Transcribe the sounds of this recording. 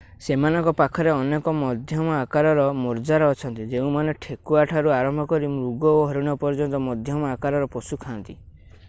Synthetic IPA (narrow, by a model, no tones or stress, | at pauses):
semanɔŋkɔpakʰɔɾeɔnekɔmɔd̪ʱjɔmɔakaɾɔɾɔmɔɾd͡ʒaɾɔːt͡ʃʰɔnt̪id͡ʒeũmaneʈʰekuaʈʰaɾuaɾɔmbʱɔkɔɾimɾuɡɔoɦɔɾiɽ̃ɔpɔɾd͡ʒɔnt̪ɔmɔd̪ʱjɔmɔakaɾɔɾɔpɔsukʰaːnt̪i